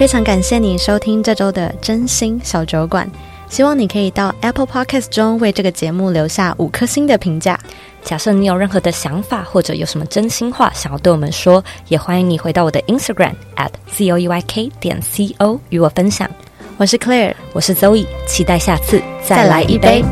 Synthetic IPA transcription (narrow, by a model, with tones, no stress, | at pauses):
fe˥ɪʈ͡ʂʰɑ˧˥ŋka˨˩nɕjɛ˥˩ni˨˩ʂo˥ʊt̪ʰi˥ŋʈ͡ʂɤ˥˧ʈ͡ʂo˥ʊd̪ə̰˨ʈ͡ʂə˥nɕi˥ŋɕjɑ˨˩ʊt͡ɕjo˧˥ʊkwa̰˨˩˦n | ɕi˥wɑ˥˩ŋni˨˩kʰɤ˧˥i˨˩t̪ɑ˥˩ʊɛ˥pʰpʰɑ˥kʰa˥˩sʈ͡ʂʊ˥ŋwe˥˧ɪʈ͡ʂɤ˥˩ɡə˩t͡ɕjɛ˧˥mu˥˩ljo˧˥ʊɕja˥˩ʔu˨˩kʰɤ˥ɕi˥ŋd̪ə˨pʰi˧˥ŋt͡ɕja̰˥˩ | t͡ɕja˨˩ʂni˧˥jo˨˩ɻə˥˩nxɤ˧˥d̪ə˧ɕjɑ˧˥ŋfa˨˩xwɔ˥˩ʈ͡ʂɤ̰˨˧˩jo̰˨˩ʊʂə˧˦mə˧ʈ͡ʂə˥nɕi˥ŋxwa̰˥˩ɕjŋjt̪wɪwɔ˨˩mə̰˦nʂwɔ˥jɛ˨˩xwa˥i˧ŋni˨˩xwe˧˥t̪ɑ˥˩wɔ˨˩d̪ə˦ʔi˥nst̪a˧˩ɡɹa̰˨˩m | ʔæ̰˥˩tsi˥o˥ʊi˥wa˥ɪkʰe˥ɪt̪jɛ̰˨˩nsi˥o˥ʊy˧˥wɔ˨˩fə˥nɕjɑ̰˨˩˦ŋ | wɔ˨˩ʂ̬ɻ̩˥˩kʰlɛ˥wɔ˨˩ʂɻ̩˥˩t͡so˥ʊi˨˩t͡ɕʰi˧˥t̪a˥˧ɪɕja˥˧t͡sʰɹ̩˥˩˧t͡sa˥˧˥ɪ˩la˧˥ɪʔi˥˩pe˥ɪ